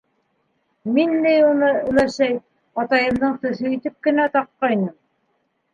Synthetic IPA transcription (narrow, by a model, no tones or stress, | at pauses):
minlæjunɤɘ̆læʃæj | ɑt̪ɑjɤ̆md̪ɤɴt̪ɵ̆θɵit̪ɘp̚kɘ̆næt̪ɑqːɑjnɤm